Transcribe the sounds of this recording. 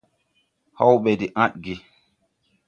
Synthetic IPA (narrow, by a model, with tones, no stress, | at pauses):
ha˦wɓɛ˨di˨ʔã˦ɗ̚ɡi˦